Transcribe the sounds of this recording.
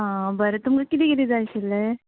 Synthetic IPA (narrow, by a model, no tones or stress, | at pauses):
ɦãbəɾət̪umkakit̪̬iːkit̪iːd͡zajɕilə